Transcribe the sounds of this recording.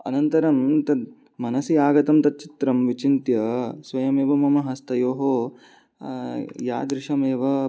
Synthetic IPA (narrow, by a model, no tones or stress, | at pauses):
ɐ̰nɐnt̪ɐɾɐmt̪ɐd̪ | mɐnɐsiaːɡɐt̪ɐmt̪ɐt̪̚t͡ʃi̥t̪ɾɐmʋit͡ʃint̪jɐsʋɐjɐmeːʋɐmɐmɐɦɐst̪ʰɐjoːɦoː | ja̰ːd̪ɾɪʂɐmeːʋɐ